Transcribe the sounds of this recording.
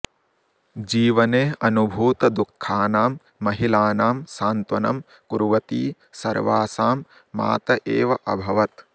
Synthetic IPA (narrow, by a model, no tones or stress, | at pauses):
d͡ʒiːʋɐneːɐnubʱuːt̪ɐd̪ukʰːaːnaːmː | ɐɦilaːnaːmsaːnt̪ʋɐnɐ̰m | kuɾʋɐt̪iː | sɐ̰ɾʋaːsaːmː | a̰ːt̪ɐʔeːʋɐʔɐbʱɐʋɐt̪